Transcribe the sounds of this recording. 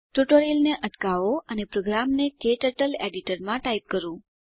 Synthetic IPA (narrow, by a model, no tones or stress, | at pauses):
ʈuʈoɾilneʔəʈkaʋoʔənepɾoɡɾamnekeʈəʈəleɖiʈəɾmãʈaip̚kəɾũ